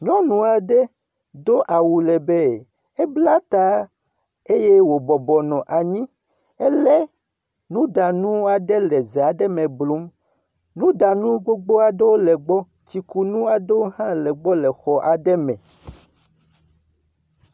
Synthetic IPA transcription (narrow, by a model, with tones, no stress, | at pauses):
ɲɔ̃˦nũ˨a˨ɖɛ˦ | d̪o˦ʔa˨wu˨lɛ˨bɛ˦ | e˦bla˦t̪a˦ | e˦je˦wo˨bɔ˨bɔ˨nɔ̃˨ʔa˨ɲĩ˦ | e˦lɛ˦ | nũ˦da˨nũ˦a˨ɖe˦lɛ˨ze˨a˨ɖɛ˦mɛ̃˨blu˦m | nũ˦da˨nũ˦ɡ͡bo˦ɡ͡bo˦a˨ɖe˦wo˦lɛ˨ɡ͡bɔ˦ | t͡ɕi˨ku˦nũ˦a˨ɖe˦wo˦ɦã˦lɛ˨ɡ͡bɔ˦lɛ˨xɔ˨ʔa˨ɖɛ˦mɛ̰̃˨